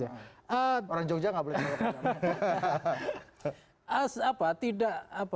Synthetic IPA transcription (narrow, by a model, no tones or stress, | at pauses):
aəoɾaŋd͡ʒok̚d͡ʒaŋɡaʔbolɛaa | asapat̪idaʔap